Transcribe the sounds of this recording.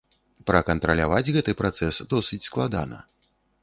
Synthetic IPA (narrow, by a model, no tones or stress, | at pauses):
pɾɐkɐnt̪ɾɐlʲavad͡zʲɣɛt̪ɨpɾat̪sɛsd̪ɔsɨt͡sʲsklˠad̪a̰nɐ̰